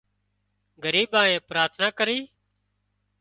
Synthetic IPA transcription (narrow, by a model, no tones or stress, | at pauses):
ɡəɾiːɓãːẽːpɾaːt̪ʰnaːkəɾiː